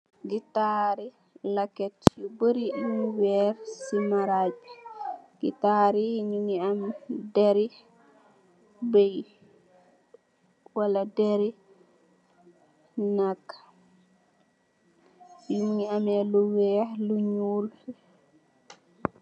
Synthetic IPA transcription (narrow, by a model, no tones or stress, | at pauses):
ɡitaɾi | lakːɛtɔbəɾiuuwɛɾsimaɾad͡ʒiɡ̥ḭtaɾiɲuŋiamdɛɾi | bej | waladɛɾi | nakːḁ | juŋiamɛluwɛɾluɲul